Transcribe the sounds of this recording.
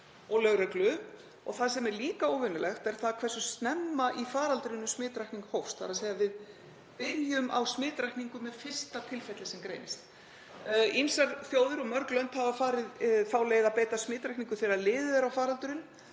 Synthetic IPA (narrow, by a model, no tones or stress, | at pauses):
ɔɣlœɣɾɛklʏ | ɔ̰ɣθaðsɛmɛɾliːkaoːwvʏnʏlɛxt̪ɛɾ̥θaðkʰvɛrsʏ̥st̪nɛmːaʔifaːɾalt̪ʏɾɪnːʏsmɪːt̪ɾajkniŋkhowfst̪θaɾaðseːjavɪð | pɪɾjʏmʔa̰wsmɪːt̪ɾajkniŋkʏmɛð̥fɪr̥st̪at̪ʰɪlfɛt̪lɪsɛmkɾḛjnɪst̪ | insaɾθjoːwðʏɾɔɣmœɾklœnt̪havafaːɾɪðfaːwleːjɪðapejt̪asmɪːt̪ɾajkniŋkʏ̥θɪɾɪɾaðlɪːðʏɛɾawfaːɾalt̪ʏɾɪn